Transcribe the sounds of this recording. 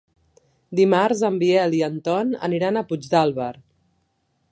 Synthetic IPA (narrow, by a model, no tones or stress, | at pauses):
d̪imaɾzəmbiɛliənt̪ɔnə̰niɾanəpud͡ʒd̪alˠβəɾ